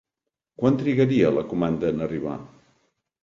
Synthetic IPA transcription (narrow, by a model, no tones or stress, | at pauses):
kwant̪ɾiɣəɾiələkumand̪əːnəriβa̰